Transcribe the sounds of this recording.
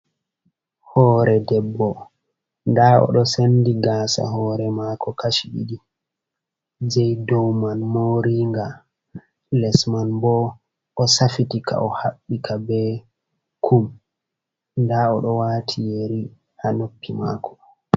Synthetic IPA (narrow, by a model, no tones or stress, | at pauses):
hɔːɾɛdɛbːɔ | ndaɔ̰ɗɔsendiɡaːsa̰ɦɔːɾɛmakʰɔkaʃiɓḭdi | d͡ʒɛjdɔwmanmoɾiŋɡa | lɛsmanbɔ | ʔɔsafitikʰa̰ʔɔhaɓːikʰabɛ | kʰum | ndaɔɗɔwaːtʰijeɾi | hanopːima̰ːkʰɔ̥